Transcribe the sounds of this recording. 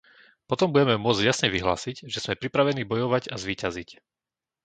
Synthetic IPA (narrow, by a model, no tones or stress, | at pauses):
pɔt̪ɔmbuɟɛmɛmʊɔd͡zɟjasɲɛʋiɦla̰ːsiɟʒɛz̥mɛpɾipɾaʋɛniːbɔjɔʋaɟazʋiːcazic